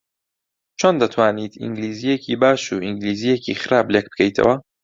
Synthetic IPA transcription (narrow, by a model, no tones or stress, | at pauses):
t͡ʃʰond̪ɐt̪ʰwaːniːt̪ʰḭŋɡliːzijecʰiːbaːʃuːʔiŋɡliːzijecḭːxɨɾaːblek̚bɨ̥kʰɐjt̪ʰɐ̰wɐ